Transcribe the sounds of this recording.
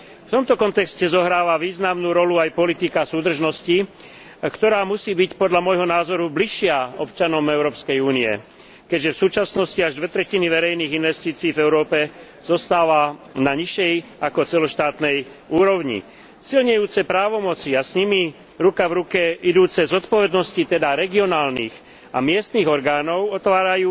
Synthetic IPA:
ft̪ɔmt̪ɔkɔnt̪ɛkscɛzɔɦɾaːʋaʋiːznamnuːɾɔluajpɔlit̪ikasuːd̪r̩ʒnɔsci | kt̪ɔɾaːmusiːbicpɔd̪ʎamɔjɦɔnaːzɔɾubliʃːɪaɔpt͡ʃanɔmɛʊɾɔːpskɛjuːniɛ̰ | kɛɟʒɛfsuːt͡ʃasnɔsciaʒd̪ʋɛt̪ɾɛciniʋɛɾɛjniːɣinʋɛst̪iːt͡siːvɛʊɾɔːpɛ | z̥ɔst̪aːʋanaɲiʃɛjakɔt͡sɛlɔʃt̪aːt̪nɛj | uːɾɔʊɲḭ | silɲɛjuːt͡sɛpɾaːʋɔmɔt͡siasɲimi | ɾukavɾukɛid̪uːt͡sɛzɔt̪pɔʋɛd̪nɔscit̪ɛd̪aɾɛɡiɔnaːlnḭːx | a̰mɪɛst̪niːɣɔɾɡaːnɔʊɔt̪ʋaːɾajuː

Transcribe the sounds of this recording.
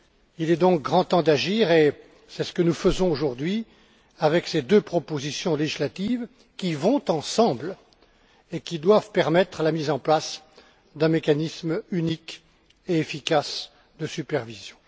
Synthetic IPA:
ilɛd̪ɔ̃k̚ɡʁɑ̃t̪ɑ̃d̪aʒiːʁe | sɛsə̥kənufəzɔ̃oʒuʁd̪ɥi | avɛksed̪øpχɔpozisjɔ̃leʒislat̪iv | kʲivɔ̃t̪ɑ̃sɑ̃bl | ekʲid̪wavpɛʁmɛt̪χalamizɑ̃plas | d̪ɛ̃mekanismynik | eefikas | d̪əsypɛʁvizjɔ̃

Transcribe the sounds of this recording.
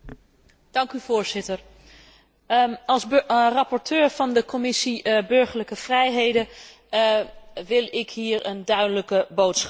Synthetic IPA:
d̥ɑŋkyvʊːɹzɪtəɹ | ɑlˠsrɑpɔɹtʰøːɹv̥ɑndəkomɪsibɵɹχəɹləkəv̥rɛjɦejdə | ʋɪlˠɪkɦiːɹəndœɥdələkəbowtsχɑ

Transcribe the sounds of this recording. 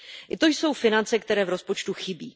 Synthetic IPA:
ʔɪt̪o̞jso̞wfɪnant͡sɛkt̪ɛɾɛːvɾo̞spo̞t͡ʃt̪uxɪbḭː

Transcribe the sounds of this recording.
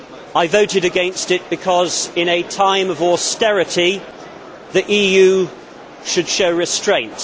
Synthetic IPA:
aɪvoʊɾɪɾɨɡɛ̃nstɪt̚b̥ɨkʰɒzɪ̃ñɨtʰãɪ̃məvɔstɛɹɨtʰi | ðiʔiːjʉ | ʃɨd̥ʃoʊɹɪstɹ̥ẽɪ̃nt

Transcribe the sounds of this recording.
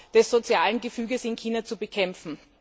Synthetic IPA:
d̥ɛsz̥ot͡sjaːlənɡəfyːɡəsɪnkʰiːnɐt͡subəkʰɛmfn̩

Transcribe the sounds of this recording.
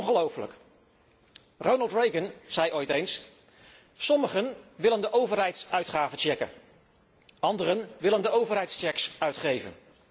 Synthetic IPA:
ɔnχəlowfələ̰k | rownɑlˠtrejɡənz̥ɛjʔojtejns | sɔməχənʋɪləndəʔowvəɹɦɛjtsœɥtχaːvət͡ʃɛkə̰n | ɑndərənʋɪləndəowvəɹɦɛjtst͡ʃɛksœɥtχejvə̰n

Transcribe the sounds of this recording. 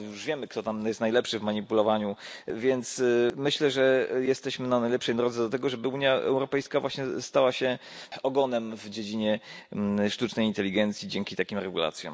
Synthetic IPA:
juʐvʲjɛmɘkt̪ɔt̪amjɛst̪ajlɛpʂɘvmaɲipulɔvaɲuvʲjɛnt̪smɘɕlɛʐɛjɛst̪ɛɕmɘnanajlɛpʂɛjd̪ɾɔd̪zɛd̪ɔt̪ɛɡɔʐɛbɘuɲjaʔɛ̰wɾɔpɛjskavwaɕɲɛst̪awaɕɛɔɡɔnɛmvd͡ʑed͡ʑiɲɛ | ʂt̪ut͡ʂnɛjint̪ɛlʲiɡɛnt̪sʲjid͡ʑɛŋkʲit̪akʲimɾɛɡula̰t̪sʲjɔ̰m

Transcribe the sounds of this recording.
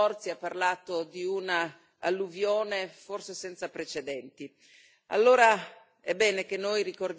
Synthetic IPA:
ɔrt̪siapːarlaːt̪od̪iuna | alːuvjoːneforsesɛnt̪sapɾet͡ʃed̪ɛnt̪i | a̰lːoːɾa | ɛbːɛːnek̟enːojrikord̪

